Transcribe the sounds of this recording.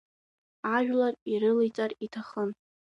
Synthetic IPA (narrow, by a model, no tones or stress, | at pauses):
aʒᶣlariɾɨlejt͡sʼaritʰaχən